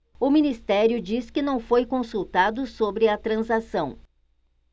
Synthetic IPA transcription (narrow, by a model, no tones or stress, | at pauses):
ʊminist̪ɛɾjʊd͡ʒiskɪnɐ̃w̃fojkõsuwt̪ad̪ʊsobɾɪɐt̪ɾɐ̃zasɐ̃w̃